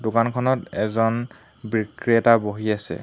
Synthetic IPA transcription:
dʊkankʰɔnɔtɛzɔn | bɹikɹiɛtaboɦiasɛ̰

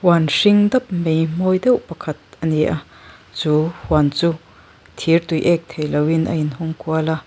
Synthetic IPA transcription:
hwanʂiŋd̪ɐp̚mejmɔːjd̪ɛwʔpɐkʰɐt̪̚ɐniʔa | t͡suːhwant͡su | t̪ʰirt̪ujʔɛk̚t̪ʰejlɐwinʔɐ̰inhʊmkuɐla

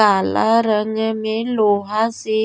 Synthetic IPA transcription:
ala̰ɾaŋɛmeloɦasɪ

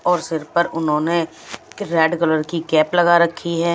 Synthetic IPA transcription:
ɔːɾsɪɾpəɾʊnɦõːne | ɾɛːɖkɔləɾkikɛːplɐɡaɾɐkʰːiɦɛː

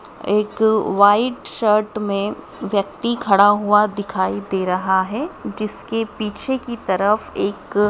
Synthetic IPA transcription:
eːkʋaːɪɖʃəɾʈmẽ | ʋjɐk̚t̪ikʰɐɽaɦuad̪ɪkʰaːid̪eːɾɐɦaɦɛd͡ʒɪskepiːt͡ʃʰekit̪ɐɾəfeːk

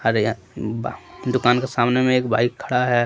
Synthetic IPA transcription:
əɾ | bd̪ʊkaːnkesaːmnemẽeːkbʱaːikʰːəɽaɦɛ

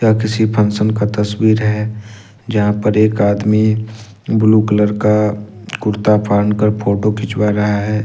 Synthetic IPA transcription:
jakɪsipʰɐ̃nsənkat̪ɐswiːɾɦɛ | d͡ʒɐɦãpəɾeːkaːd̪mi | bluːkələɾka | kʊɾt̪apʰaːɾɳkəɾpʰoːʈokʰɪt͡ʃwaːɾɐɦaɦɛː

